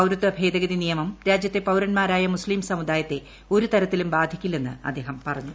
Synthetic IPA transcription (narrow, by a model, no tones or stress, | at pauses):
ɐwɾut̪ːɐbʱe̞ːd̪ɐɡɐd̪inijɐmɐmɾaːd͡ʑjɐt̪ːe̞pɐwɾɐnmaːɾaːjɐmusliːmsɐmud̪aːjɐt̪ːe̞ | o̞ɾut̪ɐɾɐt̪ːilumbaːd̪ʱikʲːilːe̞nːɨ̰ɐ̰d̪ːe̞ːɦɐmpɐrɐɲːu